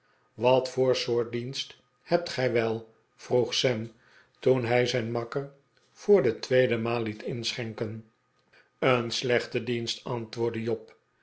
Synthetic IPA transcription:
ʋɑtfʊːɹsʊːɹt̚dinst | hɛp̚tχɛjʋɛlˠ | v̥ruχsɛm | tunɦɛjzɛjnmɑkər | v̥ʊːɹdətʋejdəmaːlˠlitɪnsχɛŋkən | ənslɛχtədinstɑntʋʊːɹdəjɔp

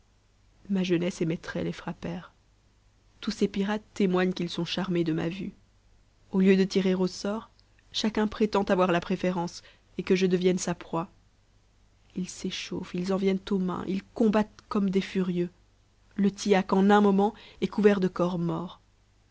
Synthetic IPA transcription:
maʒənɛsemɛt̪χɛ̰lefχapɛːʁ | t̪usepiʁat̪ːemwaɲkʲilsɔ̃ʃaʁmed̪əma̰vy̰ | oljød̪ət̪iʁeʁosɔːʁ | ʃakʲɛ̃pχet̪ɑ̃t̪avwaʁlapχefeʁɑ̃s | ekəʒəd̪əvjɛnsapχwa | ilseʃofilzɑ̃vjɛnt̪omɛ̰̃ʔḭlkɔ̃bat̪kɔmd̪ɛfyʁjø | lət̪iakɑ̃nɛ̃mɔmɑ̃ɛkuvɛʁd̪əkɔʁmɔːʁ

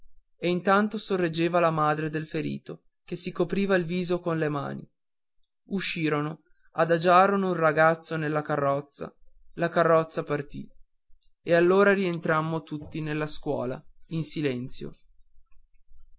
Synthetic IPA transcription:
eint̪ant̪osorːed͡ʒːeːvalamaːd̪ɾed̪elfeɾḭːt̪o | kesikopɾiːvailviːzokonlema̰ːnḭ | uʃːiːɾono | ad̪ad͡ʒaːɾonounraɡat̪sːonelːakarːɔt̪sːa̰lakarːɔt̪sːapart̪ḭ | ealːoːɾaɾient̪ɾamːot̪ut̪ːinelːaskwɔ̰ːla̰insilɛnt̪sjo̰

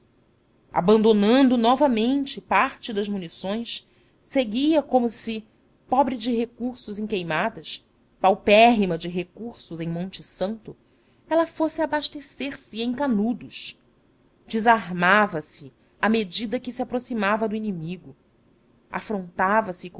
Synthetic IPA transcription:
a̰bɐ̃nd̪onɐ̃nd̪ʊnɔvɐmẽnt͡ʃɪpaɾt͡ʃɪd̪ɐzmunisõj̃s | seɡiɐkõmʊsɪ | pɔbɾɪd͡ʒɪɦekuɾsʊzĩŋkejmad̪ɐʃ | pawpɛɦimɐd͡ʒɪɦekuɾsʊzẽj̃mõnt͡ʃɪsɐ̃nt̪ʊ | ɛlɐfosɪabaʃt̪eseɾsɪẽj̃kanud̪ʊʃ | d͡ʒɪzaɾmavɐsɪ | amed͡ʒid̪ɐkɪsiapɾosimavɐd̪ʊinimiɡʊ | a̰fɾõnt̪avɐsɪk

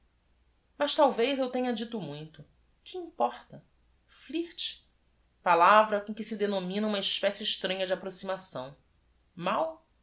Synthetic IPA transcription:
mɐʃt̪awvejzewt̪ẽɲɐd͡ʒit̪ʊmũj̃t̪ʊ | kʰɪĩpɔχt̪ɐ | fliht͡ʃ | palavɾɐkõkɪsɪd̪enomĩnɐũmɐɪʃpɛsɪːʃt̪ɾɐ̃ɲɐd͡ʒɪapɾosimasɐ̃w̃ | maw

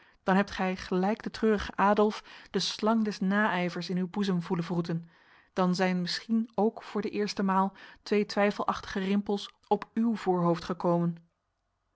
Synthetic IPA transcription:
d̥ɑnɦɛp̚tχɛjχəlɛjɡdətrøːrəχəʔaːdɔlˠfd̥əslɑŋdɛsnaːɛjvəɹsɪnywbuzəmvuləvrutən | d̥ɑnzɛjnmɪsχinowkfʊːɹdəʔɪːɹstəmaːlˠtʋejtʋɛjfəlˠʔɑχtə̥χərɪmpəlˠs | ɔpywv̥ʊːɹɦowftχəkowmən

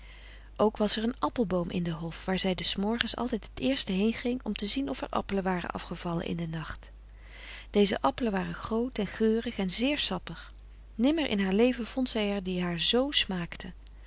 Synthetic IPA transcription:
ʔowkʋɑsɛɹənɑpəlˠbowmʔɪ̰ndəɦɔfʋaːɹzɛjdəsmɔɹχənsɑ̰lˠtɛjtɦətɪːɹstəɦejnχɪŋɔmtəzinɔfɛ̰ɹʔɑ̰pələʋaːrə̰nʔɑ̰fχəv̥ɑlə̰nʔɪ̰ndənɑχt | d̥ejzə̰ʔɑpələnʋaːrəχrowtɛnχøːrəχɛnzɪːɹsɑpəχ | nɪməɹʔɪ̰nɦaːɹlejvəv̥ɔntsɛjɛɹdiɦaːɹzowsmaːktʰə

